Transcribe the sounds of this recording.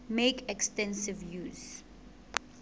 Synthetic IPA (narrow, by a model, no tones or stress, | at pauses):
mekɛkstɛ̃nsɪvjuːz